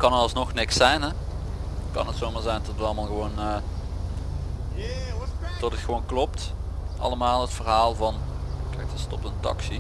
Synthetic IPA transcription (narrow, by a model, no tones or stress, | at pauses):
kɑnətɑlˠsnɔxnɪksɛjnɦɛ | kɑ̰nətsowmaːɹzɛjntɔtətʋəɑlˠmaːlˠɣəʋownə | tɔtətxəʋownklɔptʔɑ̰ləmaːlˠətfərɦaːlˠvɑnkɛjk̚dəstɔp̚təntɑ̰ksi